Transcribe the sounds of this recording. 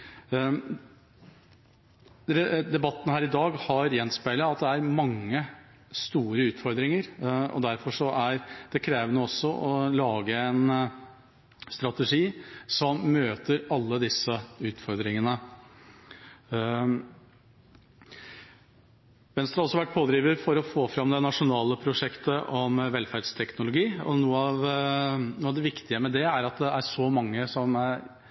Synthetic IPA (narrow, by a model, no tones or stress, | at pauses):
ɾɛd̪ɛbɑt̪ːn̩hæːɾɪd̪ɑːɡhɑɾjɛnspæɪləɑt̪d̪ɛæɾmɑŋːə | st̪uːɾəʉːt̪fɔɾd̪ɾɪŋəɾɔ̰d̪æɾfɔʂɔæɾd̪̥ɛkʰɾeːʋənəɔsːɔʔɔlɑːɡəɛn | st̪ɾɑt̪ɛʂiːsɔmːmøːt̪əɾɑlːəd̪ɪsːəʉːt̪fɔɾd̪ɾɪŋənə | ʋɛnst̪ɾɑhɔsɔɑʋæʈ̚ːpʰoːd̪ɾiːʋəɾfɔɾɔfoːfɾɑmd̪ɛnɑʂʊnɑːləpʰɾʊʂɛkt̪əʔɔmʋɛlfæɾɖst̪ʰɛknʊlʊɡiːɔ̰nuːəɑʋ | nuːɑʋd̪ɛʋɪkt̪ɪəmɛd̪ɛæɾɑt̪̚d̪ɛæɾʂɔmɑŋːəsɔmæɾ